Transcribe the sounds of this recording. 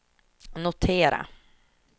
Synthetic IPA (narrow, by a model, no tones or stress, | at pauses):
nʊt̪ʰeːɾa̰